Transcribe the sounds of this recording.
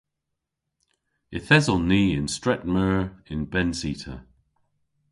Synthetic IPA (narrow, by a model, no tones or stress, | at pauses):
ɪθɛzɔnːiːɪ̃nstɹ̥ɛʔməɹɪ̃nbɛnsitʰə̰